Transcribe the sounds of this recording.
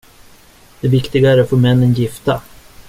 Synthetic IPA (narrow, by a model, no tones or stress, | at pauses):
d̪̥ɛvɪkt̪ɪɡaæɾat̪fɔːɾmɛnːənjɪft̪a